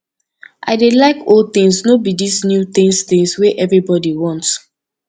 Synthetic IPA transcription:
ʔa̰ɪdelaɪkold̚t̪ĩŋsnobidisnjut̪ĩŋst̪ĩŋsweʔɛvɹibɔdiwɔ̃nts

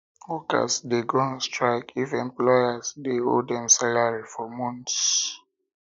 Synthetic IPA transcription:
wɔka̰sdeɡoãnstɹaɪkifɛ̃mplɔjasdeho̰dɛ̃msalaɹifɔmɔ̃nts

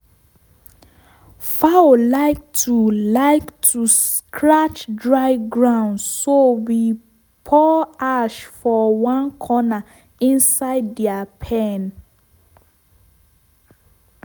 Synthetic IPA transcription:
faolaɪk̚tʰulaɪktʰuskʰɹat͡ʃdɹaɪɡɹãʊ̃ndsowi | pʰɔaʃfɔwãnkʰɔna | ĩnsaɪdːɛapʰen

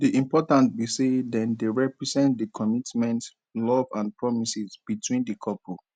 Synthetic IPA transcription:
diʔĩmpɔtãnt̚bisedɛ̃ndeɹɛpɹizɛ̃ntdikʰɔmitmɛ̃nt | lɔvãnpɹɔmisizb̥itʰwĩndikʰɔpʰɔ

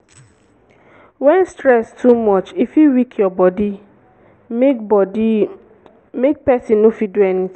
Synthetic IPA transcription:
wɛnstɾɛstʰumɔt͡ʃifiwikʰjɔbɔdi | mek̚pɛsĩnofiduɛnit

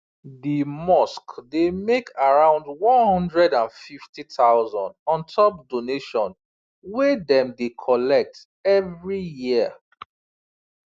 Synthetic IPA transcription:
dimɔskdemekʰaɹãʊ̃ndwɔ̃nhɔ̃ndɹɛdãnfiftitaʊzɔ̃ndɔ̃ntʰɔp̚doneʃɔ̃n | wedɛ̃mdekʰɔlɛk̚t | ɛvɹijiə

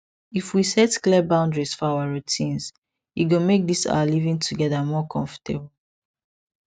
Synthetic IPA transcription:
ifwisɛtklɛbãʊ̃ndɹisfɔawaɹutʰĩnz | iɡomek̚disa̰alivĩŋtʰuɡɛðamɔkʰɔ̃ɱfə̥tʰḛbl

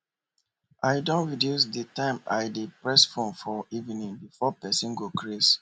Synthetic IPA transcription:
aɪdõnɹidjus̬ditãɪ̃maɪdepɹɛsfõnfɔivinĩŋbifɔpɛsĩnɡokɹes

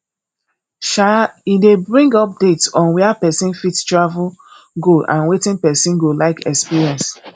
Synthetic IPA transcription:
ʃaidebɹĩŋɡɔp̚d̥etsɔ̃nwɛapɛsĩnfitstɹavul | ɡoʔã̰nwetĩnpɛsĩnɡolaɪkɛkspiɹiɛ̃ns

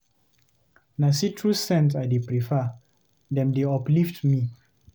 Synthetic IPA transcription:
nasitʰɹussɛ̃ntajdepɾifa | dɛ̃mdeɔpliftmi

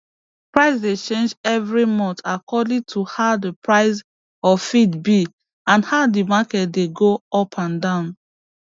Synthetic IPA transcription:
pɹaɪsdet͡ʃẽnd͡ʒɛvɹimɔ̃ntakɔdĩtʰuhaʊdəpɹaɪs | ɔfidbi | ãnhaʊdimakɛt̚deɡoɔpʰãndãʊ̃n

